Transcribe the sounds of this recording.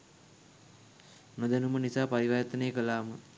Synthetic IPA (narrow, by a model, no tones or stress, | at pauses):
nod̪anumənisaːpaɾiʋajat̪ənejəkəlaːmə